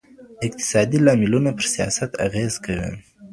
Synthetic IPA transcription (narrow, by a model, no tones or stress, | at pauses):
ɪq̚t̪ɪ̥sɑd̪ilɑmɪlunapəɾsijɑ̰sat̪a̰ɣezkawḭ